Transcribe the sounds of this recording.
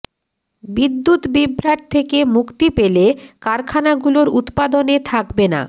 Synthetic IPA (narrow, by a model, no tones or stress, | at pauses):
bid̪ːut̪bibʱɾaʈ̚t̪ʰekemukt̪ipelekaɾkʰanaɡuloɾut̪pad̪onet̪ʰakbena̰